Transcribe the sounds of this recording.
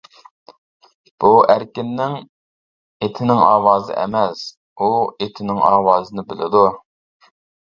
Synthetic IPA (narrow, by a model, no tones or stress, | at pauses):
b̥uʔæɾkʲɪnːɪŋ | et̪ʰɪnɪŋɑ̰ːwɑːzɨ̰ʔɛ̰mɛs | uet̪ʰɪnɪŋɑːwɑːzɨnɨbɪlɪ̰d̪u